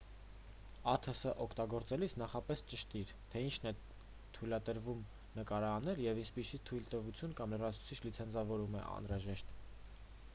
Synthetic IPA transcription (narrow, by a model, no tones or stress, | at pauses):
ɑt̪ʰəsəʔɔkʰt̪ɑɡɔɾt͡sɛlisʰnɑχɑpɛst͡ʃəʃt̪iɾt̪ʰɛint͡ʃʰn̪ɛ | t̪ʰujlɑt̪əɾvum | nəkɑɾɑːnɛljɛvinspisit̪ʰujlt̪əvut͡sʰjunkɑmlərɑt͡sʰu̥t͡sʰit͡ʃʰlit͡sʰɛnt͡sʰɑvɔɾumɛ̰ʔɑ̰nɾɑʒɛʃt̪